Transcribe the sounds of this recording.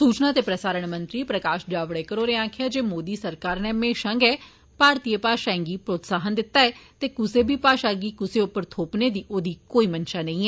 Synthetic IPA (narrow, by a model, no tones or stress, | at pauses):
suːt͡ʃnaːt̪eːpɾəsaːɾəɳmə̃nt̪ɾiːpɾəkaːʃd͡ʒaːʋɽeːkəɾoːɾeãːkʰjaːd͡ʒeːmoːd̪iːsəɾkaːɾneːmeːʃə̃ŋɡɛː | paːɾt̪iːəpaːʃãːŋɡiːpɾoːt̪saːɦənd̪ɪt̪ːaːɛːt̪eːkʊseːbʱiːpaːʃaːɡiːkʊseːʊpːəɾt̪ʰoːpneːd̪iːʔoːd̪iːkoːiːmənʃaːnəĩːɛː